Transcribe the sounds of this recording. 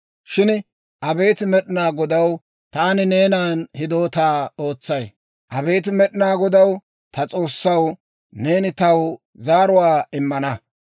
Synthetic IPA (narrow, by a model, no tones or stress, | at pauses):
ʃɪn | ʔɐbe̞ːt̪ɪmɛɗɪnaːɡɔd̪ɐw | t̪aːnɪne̞ːnaːnhɪd̪o̞ːt̪aːoːt͡sːɐj | ʔɐbe̞ːt̪ɪmɛɗɪnaːɡɔd̪ɐw | t̪ɐt͡sʼo̞ːsːɐw | ne̞ːnɪt̪ɐw | zaːɾʊwaːɪmːɐnɐ